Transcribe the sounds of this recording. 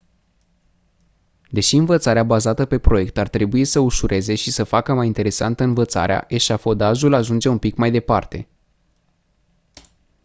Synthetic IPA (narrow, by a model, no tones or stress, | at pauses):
d̪e̞ʃiɨnvət̪saɾeabazat̪əpe̞pɾo̞je̞k̚t̪art̪ɾe̞buisəuʃuɾʔe̞ze̞ʃisəfakəmajint̪e̞ɾe̞sa̰nt̪əɨnvət̪sa̰ɾea̰ʔe̞ʃafo̞d̪aʒulaʒund͡ʒe̞umpikmajd̪e̞part̪e̞